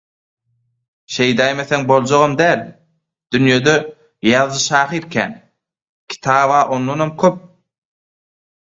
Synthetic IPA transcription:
ʃe̞jd̪ɑjmeθeŋbo̞lˠd͡ʒoʁomd̪æːlʲ | d̪̥ynjød̪ø | jɑðːɯʃɑːχiɾkʰʲæ̰ːn | kʲʰi̥t̪ʰɑːβɑːʔo̞nd̪onomkʰøp̚

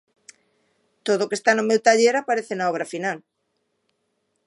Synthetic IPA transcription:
t̪oðoʊːkest̪anʊmewt̪aʎeɾapaɾeθenaɔβ̞ɾafinal

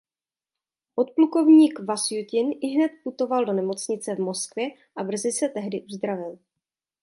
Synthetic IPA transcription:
ʔot̪̚pluko̞vɲiːkvasjucɪnʔɪɦnɛt̪̚put̪o̞valdo̞nɛmo̞t͡sɲɪt͡sɛvmo̞skvjɛ | ʔabr̩zɪsɛt̪ɛɦdɪʔuzd̪ɾavɪl

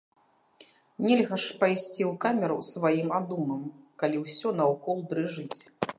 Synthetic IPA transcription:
nʲɛlʲɣɐʂpajsʲt͡sʲiwkamʲɛɾṵsvajimad̪umɐmkalʲiwsʲɔnɐwkɔlˠd̪ɾɨʐɨt͡sʲ

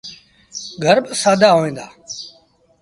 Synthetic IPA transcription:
ɡʱəɾbsaːd̪ʱaːɦoːʋẽːnd̪aː

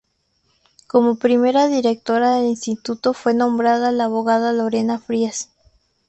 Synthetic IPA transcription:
ko̞mopɾime̞ɾaðiɾe̞k̚t̪o̞ɾaðe̞linst̪it̪ut̪o̞fwe̞nõ̞mbɾaðalaːβo̞ɣaðalo̞ɾe̞nafɾias

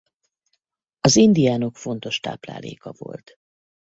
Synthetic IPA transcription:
ɒzind̪ijaːno̞kfo̞nt̪o̞ʃt̪a̰ːpla̰ːleːkɒvo̞̰lt̪

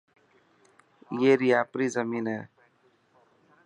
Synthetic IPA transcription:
jeːɾiːaːpɾiːzəmiːnɦɛː

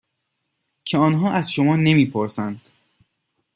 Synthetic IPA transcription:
cʰeɒːnɦɒːʔæzʃomɒːne̞miːpʰoɾsænd̪̥

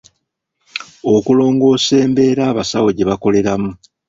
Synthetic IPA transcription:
o̞kulo̞ːŋɡo̞ːse̞ːmbe̞ːɾaːβasawo̞ɟe̞βako̞le̞ɾamu

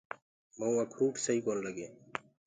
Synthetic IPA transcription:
mɐũɐkʰɾuːʈʰsɐiːkoːlləɡeː

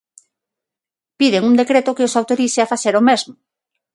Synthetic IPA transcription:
piðeŋund̪ekɾet̪ʊkɪosawt̪oɾiseafaθeɾomezmʊ

